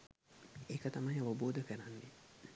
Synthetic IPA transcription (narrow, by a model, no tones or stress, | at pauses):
ekət̪ɐmajɐʋɐboːd̪əkəɾanːe